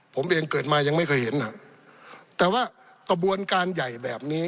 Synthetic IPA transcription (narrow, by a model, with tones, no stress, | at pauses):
pʰo˩˦mʔeː˧ŋkɤː˨˩t̪̚maː˧ja˧ŋma˥˩jkʰɤ˧˩he˩˦nʔa˨˩ | t̪ɛː˨˩waː˥˩ | ka˧bu˧ənkaː˧nja˨˩jbɛː˨˩p̚niː˦˥